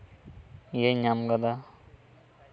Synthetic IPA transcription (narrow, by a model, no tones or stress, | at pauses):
jeɲamɡad̪a